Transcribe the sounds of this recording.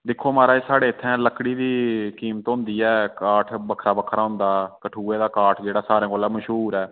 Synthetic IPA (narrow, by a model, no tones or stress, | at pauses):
d̪ɪkʰːoːmaːɾaːeːsaːɽeːɪt̪ʰːɛ̃ːləkɽiːd̪iːkiːmət̪ɦʊ̃nd̪iːɛːkaːʈʰbəkʰɾaːbəkʰɾaːɦʊ̃nd̪aːkəʈʰuːeːd̪aːkaːʈʰd͡ʒeːɽaːsaːɾẽːkoːlɛːməʃɦuːɾɛː